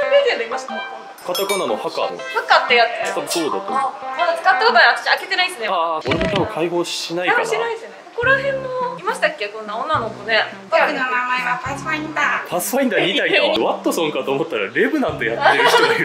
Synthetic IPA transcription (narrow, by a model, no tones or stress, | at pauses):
obed̪end̪oimaɕt̪a | kat̪akananohaka̰no̰hakat̪ːejat̪ːet̪abosoːd̪a̰t̪ːmad̪at͡sɨ̥kat̪ːakot̪oakɯ̥t͡ɕaake̞t̪e̞naisɨnekoɾemot̪abɯ̃kʰaiɡo̞ːɕinaikaninaisɨneoko̞ɾahẽ̞mːoimaɕi̥t̪akʲːekõ̞nːaõnːanokone̞ | ɯamaeat̪asaĩnd̪at̪ʰasɨ̥kaĩnd̪aɲiaikβat̪ːosõŋkat̪o̞ːmot̪ːaɾa̰ɾe̞bɯ̟nãnt̪ojat̪ːeɾɯ